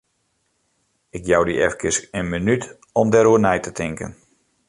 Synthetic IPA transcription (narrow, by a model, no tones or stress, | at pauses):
ɪkjawdiɛfkəsənmənyt | ɔmdɛɾuənɛjtətʰɪŋkə̰n